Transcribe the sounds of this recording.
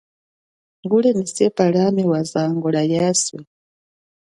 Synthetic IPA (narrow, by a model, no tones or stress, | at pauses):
ŋɡulɛnisɛpaɺamɛwazaŋɡɔɺajaswɛ